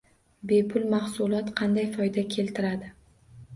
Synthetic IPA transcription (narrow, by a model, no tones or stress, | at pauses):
be̞pʰʊlˠmaχsʊlˠɒt̪qʰɑnd̪ajfɒjd̪akʲʰe̞lt̪ʰɪɾad̪ɪ